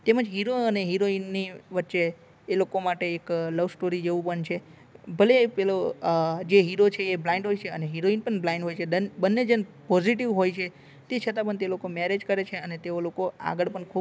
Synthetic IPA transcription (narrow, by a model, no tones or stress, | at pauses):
t̪eməd͡ʒɦiɾoəneɦiɾoinːiʋətːʃeː | lokomaʈeːkləʋsʈoɾid͡ʒeʋũpəɳt͡ʃʰe | bʱəlepelod͡ʒeɦiɾot͡ʃʰeːblaɪ̃ɳɖɦojt͡ʃʰeəneɦiɾoinpəɳblaĩɳɖɦojt͡ʃʰedəbənːed͡ʒenpɔziʈiʋɦojt͡ʃʰe | t̪et͡ʃʰət̪ãpəɳt̪elokomeɾed͡ʒkəɾet͡ʃʰeənet̪eolokoa̰ɡəɭpəɳkʰu